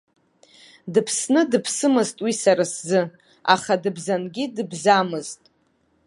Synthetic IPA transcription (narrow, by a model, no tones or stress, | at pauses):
dɨpʰsnɨdɨpʰsɨmɨztʼwisaɾaszɨ | a̰χadɨbzanɡʲidɨbzamɨztʼ